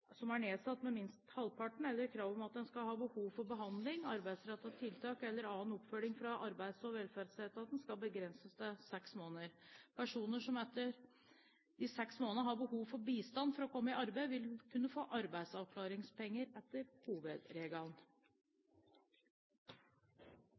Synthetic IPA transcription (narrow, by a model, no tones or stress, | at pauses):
sɔmæɳeːsɑt̪ːmɛmɪnst̪hɑlpʰɑʈɳ̩ɛlːəɾkʰɾɑːʋɔmɑt̪̚d̪ɛnskɑlhɑːbəhuːʋfɔɾbəɦɑnd̪lɪŋɑɾbæɪd̪sɾɛt̪ːɑt̪ʰɪlt̪ʰɑːkɛlːəɾɑːnɔpfœlɪŋfɾɑʔɑɾbæɪd̪sɔʋɛlfæɾd̪sɛt̪ɑt̪d̪ɛnskɑlbəɡɾɛnsəsd̪ɛsɛksmoːnəɾpʰæʂuːnəʂɔmɛt̪ːəɾ | d̪ɪsɛksmoːnənəɦɑɾbəhuːʋfɔɾbiːst̪ɑnfɔɾɔkʰɔmːəɪʔɑɾbæɪʋɪlkʰʉnːəfoːʔɑɾbæɪsɑʋkʰlɑːɾɪŋspɛŋːəɾɛt̪ːəɾhuːʋəd̪ɾeːɡɑln